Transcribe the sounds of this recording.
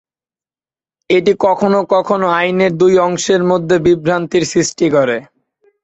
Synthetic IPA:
eʈikɔkʰonokɔkʰonoajneɾd̪ujɔŋʃeɾmod̪ʱːebibɾant̪iɾsɾisʈikɔɾe

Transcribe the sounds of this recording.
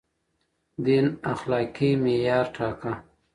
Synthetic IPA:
d̪inaxlɑːkimejɑːɾʈʰɑːka

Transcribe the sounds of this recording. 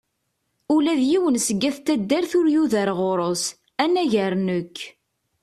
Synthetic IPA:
ulæðjiwənsəɡːæθt̪ːæd̪ːæɾθʊɾjuðəɾʁoɾˤos | ænæʝəɾnəkː

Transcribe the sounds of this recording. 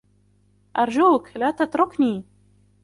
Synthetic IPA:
ʔɑɾˤd͡ʒuːklaːt̪at̪ɾʊkniː

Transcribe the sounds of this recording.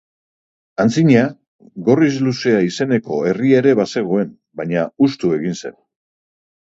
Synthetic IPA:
ant͡siɲa | ɡo̞rizluse̞aise̞ne̞ko̞e̞rieɾe̞βase̞ɣ̞o̞e̞n | baɲaust̪ue̞ɣinse̞̰n

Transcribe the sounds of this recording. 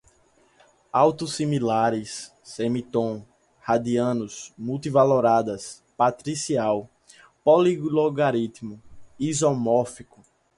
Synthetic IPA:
awt̪usĩmilaɾɪsː | emit̪õ | had̪iɐ̃nʊsmuwt̪ivaloɾad̪ɐs | pat̪ɾisiaw | poliɡloɡaɾit̪imʊizomɔfikʊ

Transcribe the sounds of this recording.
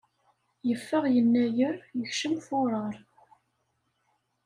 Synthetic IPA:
jəfːəʁjənːæjəɾjəçʃəmfʊɾˤəɾˤ

